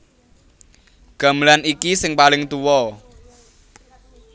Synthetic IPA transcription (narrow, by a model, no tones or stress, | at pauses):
ɡ̥a̤məlanikisɪŋpalɪŋt̪uwɔ